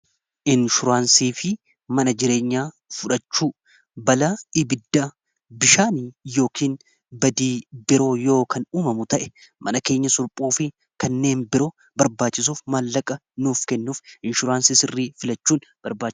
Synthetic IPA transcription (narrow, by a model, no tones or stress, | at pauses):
ʔɪnʃʊɾaːnsiːfɪ | mɐnɐd͡ʒɪɾe̞ːɲːaː | fʊᶑɐt͡ʃːuː | bɐlaːɪbɪd̪ːaː | bɪʃaːnjo̞ːkʰiːn | bɐd̪iːbɪɾo̞ːjo̞ːkɐnuːmɐmʊt̪ɐʔɛ̥ | mʔɐnɐke̞ːɲːɐsʊlpʼuːfɪ | kɐnːe̞ːnbɪɾo̞ː | bɐɾbaːt͡ʃːɪs̬uːfmɐlːɐkʼɐ | nuːfkɛnːuːfʔɪnʃʊɾaːnsisɪrːiːfɪlɐt͡ʃːuːnb̥ɐɾbaːt͡ʃ